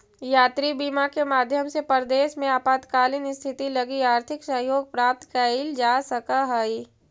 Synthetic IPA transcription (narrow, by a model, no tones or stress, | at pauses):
jaːt̪ɾibiːmakemaːd̪ʱjəmsepəɾd̪eːʃmẽaːpaːd̪kaːlɪnɪst̪ʰɪt̪ilɐɡiaːɾt̪ʰɪksəɦjoːɡ̚pɾaːp̚t̪kaild͡ʒaːsɐkaɦai